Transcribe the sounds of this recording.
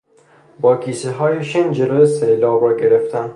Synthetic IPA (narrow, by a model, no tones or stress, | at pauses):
bɒːkʰiːseɦɒːjeʃind͡ʒeloselɒːbɒɡeɾeft̪ʰæn